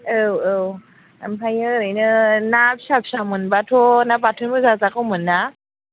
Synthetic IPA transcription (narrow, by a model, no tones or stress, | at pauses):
əwəw | ampʰajəɾəjnɯnapsapʃamɯnbatʰonabatʰunmɯzazakomɯnːa